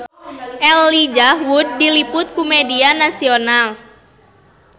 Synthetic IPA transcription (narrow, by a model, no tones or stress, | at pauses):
ʔɛlːid͡ʒahwud̚ːilipʊt̪̚kumedianasional